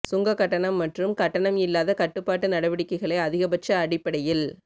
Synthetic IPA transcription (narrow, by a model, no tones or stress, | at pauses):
sʊŋɡɐkːɐʈːɐɳɐmːɐʈrɯmkɐʈːɐɳɐmɪlːaːðɐkɐʈːɯpːaːʈːɯnɐɽɐʋɪɽɪkːɐɪɣɐɭɐɪɐðɪɣɐbɐt͡ʃːɐːɽɪpːɐɽɐjɪl